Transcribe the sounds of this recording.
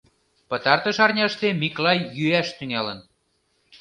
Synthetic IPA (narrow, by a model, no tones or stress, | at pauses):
pə̆t̪ɑrt̪ə̆ʃɑrnʲɑʃt̪emiklɑjːyæʃt̪yŋɑlə̆n